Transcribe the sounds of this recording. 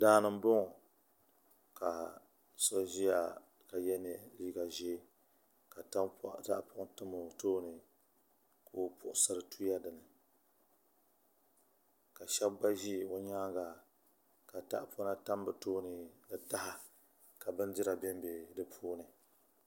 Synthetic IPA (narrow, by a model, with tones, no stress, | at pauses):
daː˦nɨ˨m˦bʊ˦ŋ˨ | ka˨ | so˦ʒi˦ja˨ | ka˨jɛ˦nɛ˨liː˦ɡa˨ʒɛ˦ | ka˨tta˦ʔpʊ˦ʔtɨ˦mo˨toː˦nɨ˨ | kʰo˦pʊ˨ʔʊ˨sɨ˦ɾɨ˦tʰu˦ja˦dɨ˨nɨ˨ | ka˨ʃɛ˦b̚ɡ͡ba˦ʒi˦o˦ɲaː˦ɡa˨ | ka˨ta̰˦ʔpo˦na˦ta˦m˦bɨ˨toː˦nɨ˨dɨ˨ta˦ha˨ | ka˨bɨ˦ndɪ˦ɾa˨bɛ˦m˦be˨dɨ˨pʰuː˦nɨ˨